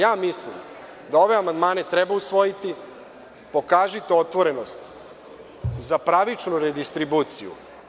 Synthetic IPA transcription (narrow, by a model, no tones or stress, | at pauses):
jaːmislḭm | d̪ao̞ʋe̞amand̪maːne̞t̪ɾebausʋo̞jit̪i | po̞kaːʒit̪o̞t̪ʋo̞ɾe̞no̞st̪ | zapɾaʋit͡ʃnuɾed̪ist̪ɾibuːt̪sijṵ